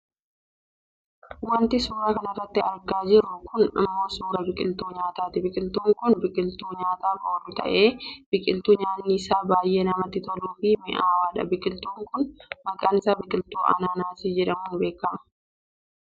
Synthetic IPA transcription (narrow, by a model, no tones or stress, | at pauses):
wɐnt̪ɪsuːɾɐkɐnɐrːɐt̪ːɪɐɾɡaːd͡ʒɪɾʊkʊnɐ̰mːo̞ːsuːɾɐbɪkʼɪlt̪uːɲaːt̪aːt̪ɪbɪkʼɪlt̪uːŋkʊnbɪkʼɪlt̪uːɲaːt̪aːkoːɾʊt̪ɐ̰ʔe̞ːb̥ɪkʼɪlt̪uːɲaːnːisaːbaːjʔe̞ːnɐmɐt̪ːɪt̪ɔluːfiːmɪʔaːwaːᶑɐ̰bɪkʼɪlt̪uːŋkʊnmɐkʼaːnɪsaːbɪkʼɪlt̪uːʔɐ̰naːnaːsɪd͡ʒɛᶑɐmʊːbe̞ːkːɐmɐ